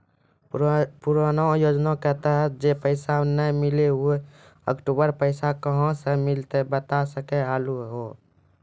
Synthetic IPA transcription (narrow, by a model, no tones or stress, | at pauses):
puɾanojoːd͡ʒnakɛɦt̪aɦɛd͡ʒepəɪsanəmɪleɦue | ə̰kʈubəɾpəɪsakəɦɔ̃səmɪlt̪ebət̪asəkeaːluɦo